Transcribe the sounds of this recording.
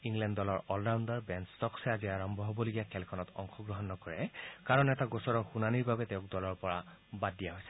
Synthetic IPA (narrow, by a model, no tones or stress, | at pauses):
iŋlɛndːɔlɔɹɔldandaɹbɛnstɔksɛaziaɹɔmbʱɔɦobɔloɡijakʰɛlkʰɔnɔtɔ̰ŋxʰɔɡɹɔɦɔnːɔkɔɹɛkaɹɔnɛtaɡɔsɔɹɔxunaniɹbʱabɛtɛʊ̃k̚dɔlɔɹpɔɹa | badijaɦojsɛ̥